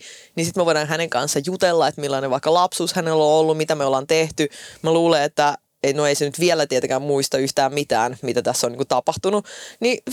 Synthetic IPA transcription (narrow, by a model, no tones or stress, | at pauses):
nisit̪mæʋojɾɑːnɦæneŋkɑnsːɑjut̪elːɑet̪milːɑːneʋɑikːɑlɑpsuːshænelːoolːummit̪æmeolɑnt̪eht̪ymæluːleet̪ːæ | enoeisenyt̪ʋielæt̪iet̪ekæmmuist̪ɑyht̪æːmmit̪æːnmit̪æt̪æsːoniːŋkut̪ɑpɑht̪ununi